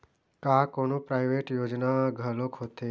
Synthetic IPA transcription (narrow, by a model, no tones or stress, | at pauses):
kaːkonopɾajʋeʈjoːd͡ʒnaɡʱəlokɦot̪e